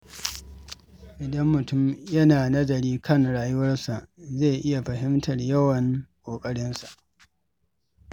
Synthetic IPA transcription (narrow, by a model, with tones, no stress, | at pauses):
ʔɪ˨dɐ˦mːʊ˨tʊ˦mjɐ˦naː˨nɐ˦zɐ˨ɾiː˦kʰɐ˦˨ŋɽaː˨jʊ˦wɐ˦rsa˨ʔze˦˨ʔɪ˦ja˨ɸɐ˨ɦɪ˦mtɐ˨rjɐ˦wɐ˨ŋkʷʼoː˨kʼɐ˦ɽɪ˦nsḁ˨ʔ